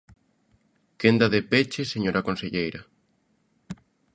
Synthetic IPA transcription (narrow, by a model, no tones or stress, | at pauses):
kend̪ɐðepet͡ʃɪseɲoɾɐkonseʎejɾɐ